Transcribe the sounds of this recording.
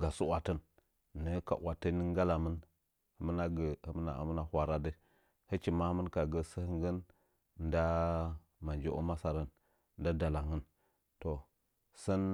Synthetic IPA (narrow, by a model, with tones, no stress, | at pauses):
ɡa˨su˦wa˨tə˦nː | ə˦ka̰˨ʔwa˨tə˦nə˦ŋ˦ɡa˦la˨mə˦n | hə˨mə˦na˦ɡə˨hə˦mə˦na̰˨a̰˨mə˦na˨hʷwa˨ɾa˦də˦ | hə˦t͡ʃi˨ma˦hmə˦nka˨ɡə˦sə˦hə˦ŋɡə˦n | n˦da˦ | ma˨nd͡ʒe˦ʔo˦ma˦sa˨ɾə˦n | nda˦da˨la˨ŋə˦n | to˨ | sə˦n